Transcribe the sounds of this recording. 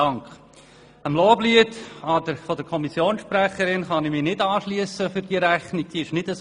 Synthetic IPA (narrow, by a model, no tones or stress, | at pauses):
ɑŋkχ | əmloːbliːətɑd̪əɾfɔd̪əɾkʰɔmisjoːnsʃpɾæχəɾɪnχɑnɪmɪnɪdɑːʃliəsəfʏɾd̥iːəɾæχnɪɡ̥̚d̥iːɪʃnɪdəs